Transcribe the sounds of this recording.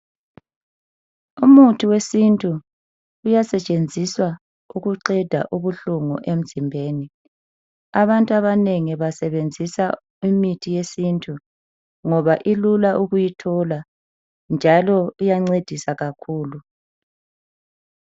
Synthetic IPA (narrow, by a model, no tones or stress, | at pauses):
umutʰiwesintʼuː | jasɛt͡ʃʼend͡zʱiswa | uɣuǃɛd̥ʱa̰ʔuβuɬuŋṵʔem̩z̥ʱimbʱeːni | aβantʼuaβaneŋiβasɛβend͡zʱisa | imitʰijesintʰʼu | ŋɔβaʔilulaʔuɣujitʰɔla | nd͡ʒʱalɔujaŋ͡ǀed̥ʱisaɣakʰuːlu